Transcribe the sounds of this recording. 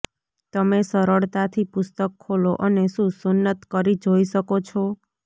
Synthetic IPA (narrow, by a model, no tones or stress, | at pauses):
t̪əmesəɾəɭt̪at̪ʰipʊst̪əkʰːoloʔəneʃũsʊnːət̪kəɾid͡ʒoiʃəkot͡ʃʰo